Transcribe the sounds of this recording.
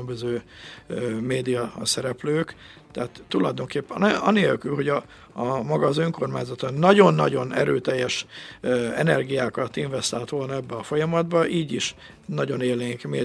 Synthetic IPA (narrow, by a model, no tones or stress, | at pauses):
mbøzøː | meːd̪ijɒsɛɾɛpløːk | t̪ɛat̪ːulɒjd̪o̞ŋkeːpːɛɒneːlkylɦo̞ɟɒ | mɒɡɒːzøŋko̞rmaːɲzɒt̪onnːɒɟo̞nːɒ̰ɟo̞nɛ̰ɾøːt̪ɛjːɛʃ | ɛnɛrɡijaːkɒt̪iɱvɛst̪aːlt̪ʋo̞lnɒɛbːɛɒfo̞jɒmɒd̪bɒʔiːɟiʃ | nɒɟo̞neːlneːŋkmeː